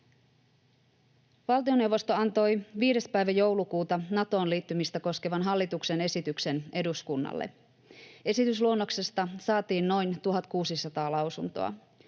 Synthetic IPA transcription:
ʋɑlt̪io̞ne̞wʋːo̞st̪o̞ɑnt̪o̞jʋiːɾe̞spæjʋæjo̞wlukuːt̪ɑnɑt̪o̞ːnliːt̪ːymist̪æko̞ske̞ʋɑnɦɑlːit̪ukse̞ne̞sit̪ykse̞ne̞duskunːɑ̰lːḛ | e̞sit̪ysluo̞nːo̞kse̞st̪ɑsɑːt̪iːnno̞jnt̪uɦɑt̪kuːsisɑt̪ɑːlɑwsunt̪o̞̰ɑ̰

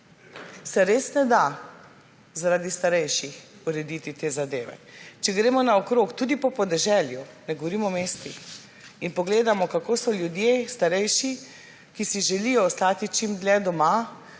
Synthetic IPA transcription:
sɛɾesnɛd̪a | zaɾaːd̪ist̪aɾɛjʃixuɾɛd̪it̪it̪eːzad̪eːʋɛ̰t͡ʃɛɡɾeːmɔnaɔkɾoːkt̪uːd̪ipɔpɔd̪ɛʒɛljunɛɡoʋɔɾimɔmeːst̪ix | inpɔɡleːd̪amɔkakoːsɔljud̪jest̪aɾɛjʃi | kisiʒɛlijɔːst̪aːt̪it͡ʃimd̪lɛd̪ɔma

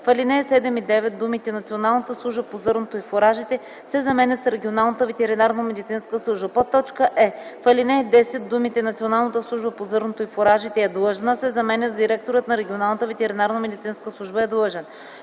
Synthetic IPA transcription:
fəlinɛːsɛd̪ɛmid̪ɛvɛt̪̚d̪umit̪ɛnɐt̪sionalˠnət̪əslˠuʒbəpozɤɾnot̪oifoɾaʒit̪ɛ | sɛzɐmɛnʲət̪sɾɛɡʲionalˠnət̪əvɛt̪ɛɾinaɾnəmɛd̪it̪sinskəslˠuʒbəpot̪ːɔt͡ʃkəʔɛfɐlinɛɛd̪ɛsɛt̪̚d̪umit̪ɛnɐt̪sionalˠnət̪əslˠuʒbəpozɤɾnot̪oifoɾaʒit̪ɛɛd̪lˠɤʒnəsɛzɐmɛnʲət̪zd̪iɾɛk̚t̪oɾət̪nɐɾɛɡʲionalˠnət̪əvɛt̪ɛɾinaɾnəmɛd̪it̪sinskəslˠuʒbəɛd̪lˠɤʒɛn

